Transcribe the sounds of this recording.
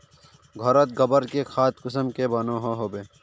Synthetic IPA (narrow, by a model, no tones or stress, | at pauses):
ɡʱɔɾət̪̚ɡɐbəɾkekʰaːt̪kʊs̬əmkebɐnõɦoɦoːbeː